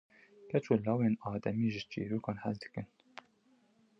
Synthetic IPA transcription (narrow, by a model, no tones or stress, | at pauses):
kɛt͡ʃoːlɑːweːnɑːd̪ɛmiːʒɪt͡ʃḛːɾuːkɑːnhɛld̪ɨ̥kɨn